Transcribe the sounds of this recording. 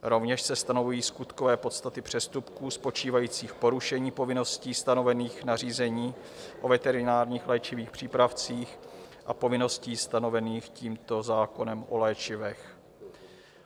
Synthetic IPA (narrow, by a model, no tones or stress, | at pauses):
ɾo̞vɲɛʃsɛst̪ano̞vujiːskut̪kovɛːpo̞t̪st̪at̪ɪpr̝̥ɛst̪upkuːspo̞t͡ʃiːvajiːt͡siːxpo̞ɾuʃɛɲiːpo̞vɪno̞sciːst̪ano̞vɛniːxnariːzɛɲiː | ʔo̞vɛt̪ɛɾɪnaːɾɲiːxlɛːt͡ʃɪviːxpr̥iːpɾaft͡siːxʔapo̞vɪno̞sciːst̪ano̞vɛniːxciːmt̪o̞zaːko̞nɛmʔo̞̰lɛːt͡ʃɪvɛx